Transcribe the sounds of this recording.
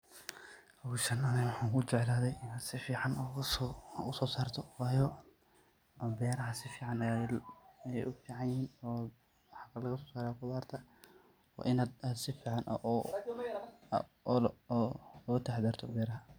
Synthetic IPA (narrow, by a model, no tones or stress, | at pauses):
ɐɣʊʃɐnɐnɛwɑħɑːŋkʰʊt͡ʃɛʕlaːðɛjɪnaːd̪sɪfiːʕɑn | ʊsɔːsaːrt̪ʰɔwɑːjɔ | bɛːɾɐɦɐsɪfiːʕɑn | jɛjʔʊfiːʕɑnjɪhiːnɔː | wɑħɑkʰɐlɐɣɐsɔːsaːɾakʊðaːrt̪ʰɐ | ɔ̰ːʔɪnaːd̪aːd̪sɪfiːʕɑnʔɐ̰ʔɔ | lɔɐt̪ʰɐħd̪ɐːrt̪ʰɔbɛːɾɐɦɐ